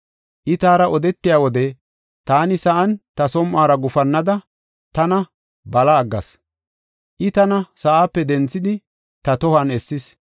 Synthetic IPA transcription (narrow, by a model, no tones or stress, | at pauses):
ʔɪt̪aːɾɐʔɔd̪ɛt̪ːɪjaːwɔd̪ɛ | t̪aːnɪsɐʔɐnt̪ɐsɔmʔaːɾɐɡʊfɐnːɐd̪ɐ | t̪ɐnɐ | bɐlɐːɡːɐ̰s | ʔɪt̪ɐnɐsɐʔaːpːɛd̪ɛnt͡sːɪd̪ɪ | t̪ɐt̪ɔhɐnɛsːɪs